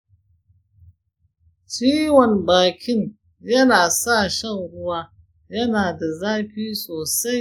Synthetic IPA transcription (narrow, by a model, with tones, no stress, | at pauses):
t͡ʃiː˦wɔ˨nbaː˨kʲɪ˦n | jɐ˦naː˨sa˦˨ʃɐ˦˨ŋɽʊ˦waː˦ | jɐ˦naː˨da˨zaː˦ɸiː˦sʼoː˨sa˦j